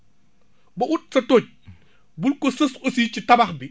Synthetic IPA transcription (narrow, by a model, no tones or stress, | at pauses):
bɐʔut̚sɐtoːc̚ | bulkɔsɐsosicitɐbɐxbi